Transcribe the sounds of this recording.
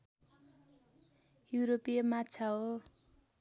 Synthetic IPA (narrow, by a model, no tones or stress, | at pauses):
juɾopijemat͡sʰaɦo